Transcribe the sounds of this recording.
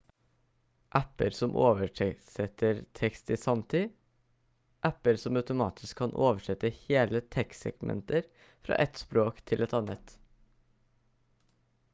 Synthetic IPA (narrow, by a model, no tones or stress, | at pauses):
ʔæpəɾsɔmʔoːʋəʈʰɛsɛt̪ʰəɾt̪ʰɛkst̪iːsɑmt̪ʰiː | ʔæpəɾsɔmɑʉt̪ʊmɑ̰ːt̪ʰɪ̥skʰːɑnʔoːʋəʂɛt̪ːəheːlət̪ʰɛksɛ̰ɡ̥mɛ̰nt̪əɾ | fɾɑ̰ːʔɛt̪spɾoːkt̪ʰɪlʔɛt̪ɑnət̪